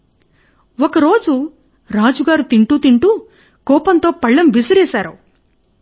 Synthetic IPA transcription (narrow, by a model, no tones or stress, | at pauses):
ɔkɐɾo̞ːd͡ʒu | ɾaːd͡ʒuɡaːɾut̪iɳʈuːt̪iɳʈu | kɔːpɐnt̪o̞ːpɐɭːɐmbisɐɾeːsaːɾu